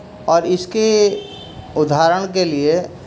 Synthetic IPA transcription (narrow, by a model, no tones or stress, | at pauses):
ɔːɾɪske | ʊd̪ʱaːɾəɽ̃k̬elie